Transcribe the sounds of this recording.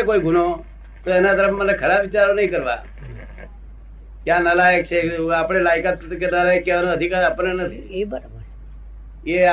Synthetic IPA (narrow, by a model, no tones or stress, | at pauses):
ekoiɡʱuno | t̪oenat̪əɾəpʰmənekʰəɾaʋɪt͡ʃaɾonəɦĩkəɾʋa̰ | kjãnəlajək̚t͡ʃʰeapɽ̃elaɪkat̪kenəlajəkːeʋanõəd̪ʱikaɾapəɾnenət̪ʰi | e